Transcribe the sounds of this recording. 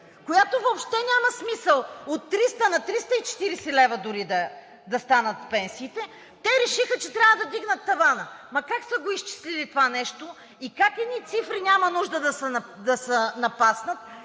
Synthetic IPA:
kojat̪ovopʃt̪ɛnʲamɐsmisəlˠot̪ːɾist̪ənɐt̪ɾist̪əit͡ʃɛ̥t̪iɾɛsɛlɛvəd̪ʊɾid̪ɐ | d̪ɐst̪anɐt̪pɛnsiːt̪ɛ | t̪ɛɾɛʃixət͡ʃɛt̪ɾʲavəd̪ɐd̪iɡnət̪ːɐvanəmɐkaksəɡoist͡ʃi̥slilit̪ovanɛʃt̪o | ikakɛd̪nit̪sifɾinʲamɐnuʒd̪əd̪ɐsɛnd̪ɐsənɐpasnət̪

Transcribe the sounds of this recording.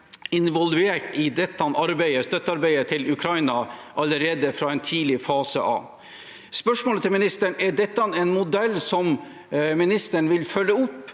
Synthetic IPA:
ɪnʋɔlʉeːʈɪd̪ɛt̪ːɑnɑɾbæɪəst̪œt̪ːəɑɾbæɪət̪ʰɪlʉkʰɾɑɪnɑʔɑləɾeːd̪əfɾɑːɛnt̪ʰiːlɪfɑːsə̰ʔɑ̰ʋ | spœʂmoːlət̪ʰɪlmɪnɪst̪əɳɛɖɛt̪ːɑnɛnmʊd̪ɛlːsɔm | mɪnɪst̪əɳʋɪlfœlːəʊpː

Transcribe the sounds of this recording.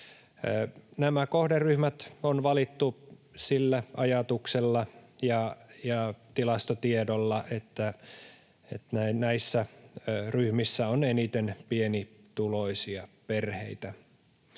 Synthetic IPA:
næmækohderryhmæt̪onʋɑlit̪ːusilːæɑjɑt̪ukselːɑjɑjɑt̪ilɑst̪ot̪iedolːɑet̪ːæ | et̪næinæisːæryhmisːæonenit̪enpienit̪uloisiɑperhḛit̪æ

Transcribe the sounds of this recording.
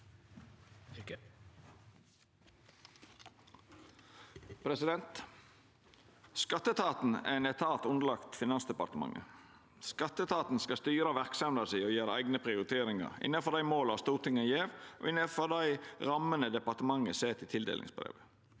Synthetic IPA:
pʰɾɛsɪd̪ɛnt̪ | skɑt̪ːət̪ʰɑːt̪n̩æ̰ɛɪnɛt̪ʰɑːt̪ʊnd̪əlɑkt̪fɪnɑnsd̪əɛpɑt̪əmɑ̰ŋːə̰ | skɑt̪ːət̪ʰɑːt̪n̩skɑst̪yːɾəɑʋæʁksɑmd̪ɑsioːjeːɾəæ̰ɪɡnəpʰʁɪʊɾɪt̪ʰeːɾɪŋɑ̰ɾɪ̰nəfɔd̪æɪmoːlɑst̪uːʁt̪ʰɪŋɑjeːʋʔo̰ʔɪnəfɔd̪æɪʁɑmənəd̪ɛpɑʁt̪əmɑŋəseːt̪ʰɪt̪ʰɪld̪ḛːlɪ̰ŋsbɾḛːʋə

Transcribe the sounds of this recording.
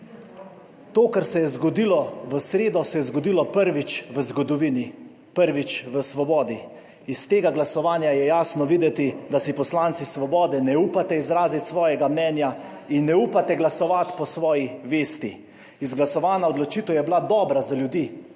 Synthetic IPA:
t̪oːkɛɾsɛjɛzɡɔd̪ilɔʋəsɾeːd̪ɔsɛjɛzɡɔd̪iːlɔpəɾʋit͡ʃʋəzɡɔd̪ɔʋini | pəɾʋit͡ʃʋəsʋɔbɔːd̪i | ist̪eːɡaɡlasɔʋaːnjajɛjaːsnɔʋiːd̪ɛt̪id̪asipɔslaːnt̪sisʋɔbɔːd̪ɛnɛuːpat̪ɛizɾaːzit̪sʋɔːjɛɡamnɛnja | inːɛuːpat̪ɛɡlasɔʋat̪pɔsʋɔːjiʋeːst̪i | izɡlasɔʋaːnaɔd̪lɔt͡ʃiːt̪əwjɛblad̪ɔːbɾazaljud̪iː

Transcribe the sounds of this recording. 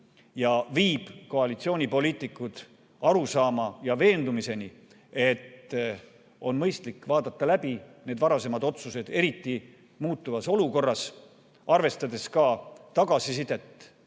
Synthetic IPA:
jɑviːb̥ko̞ɑlit̪sio̞ːnʲipo̞liːt̪ːˑikːˑud̪̥ | ɑɾusɑːmɑjɑve̞ːnd̪umise̞ni | e̞t̪ː | o̞nmɤjst̪likːvɑːd̪ɑt̪ːɑlæbine̞d̪vɑɾɑse̞mɑd̪o̞t̪suse̞d̪̥e̞ɾit̪ˑːi | muːt̪ːˑuvɑso̞luko̞rːɑs | ɑrve̞st̪ɑd̪e̞skɑt̪ɑɡ̥ɑsisid̪e̞t̪ː

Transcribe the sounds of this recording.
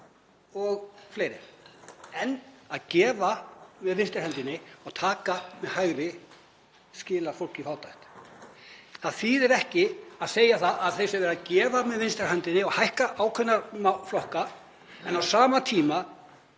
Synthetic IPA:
ɔɣfleːjɾɪ̰̥ | ɛnːaðcɛːvamɛðvɪnst̪ɪɾ̥hɛnt̪ɪnːɪɔɣt̪ʰaːkamɛðhajɣɾɪ | scɪːlafowl̥cifaːwt̪ajht̪ | θaðθiːðɛɾɛhcɪaðseːjaθaaðθejsɪɾvɛɾacɛːvamɛðvɪnst̪ɛɾ̥ɦɛnt̪ɪnːɪɔɣhajhkaʔaːwkʰœnːaɾmaflɔhka | ɛnawsaːmat̪ʰiːma

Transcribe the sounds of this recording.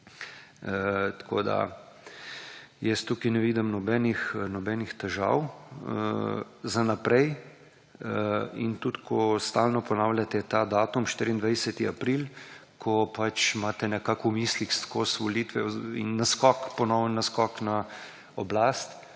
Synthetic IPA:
t̪ḁkʰo̰ːd̪a̰ | jɛst̪uːkinɛʋiːd̪əmnɔbɛːnixnɔbɛːnixt̪ɛʒa̰w̰ | zanapɾɛj | ḭnt̪ut̪kʰɔst̪alnɔpɔnaːwlʲjat̪ɛt̪ad̪aːt̪umʃt̪iːɾiːnd̪ʋajsɛt̪iapɾilkʰɔpat͡ʃmaːt̪ɛnɛkakumiːslixskosʋɔliːt̪ʋɛḭnːaskɔkpɔnɔwnnaskɔkna | ɔblaːst̪

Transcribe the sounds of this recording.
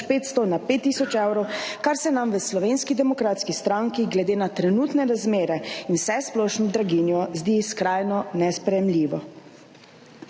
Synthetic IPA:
peːt̪st̪ɔnapeːt̪ːisɔt͡ʃɛwɾɔwkaɾsɛnamʋəslɔʋeːnskid̪ɛmɔkɾaːt̪skist̪ɾaŋkiɡlɛd̪eːnat̪ɾɛnut̪nɛɾazmeːɾɛinwsɛsplɔʃnɔd̪ɾaɡinjɔzd̪iskɾaːjnɔnɛspɾɛjɛmlʲiːʋɔ

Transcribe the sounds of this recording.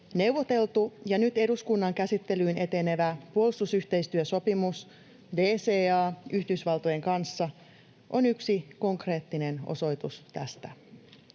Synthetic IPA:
ne̞wʋo̞t̪e̞lt̪ujɑnyt̪e̞duskunːɑŋkæsit̪ːe̞lyːne̞t̪e̞ne̞ʋæpuolist̪usyht̪e̞jst̪yøso̞pimus | deːseːɑːyhdysʋɑlt̪ojeŋkɑnsːɑ | ʔonyksiko̞ŋkre̞ːt̪ːine̞no̰so̞jt̪ust̪æst̪æ

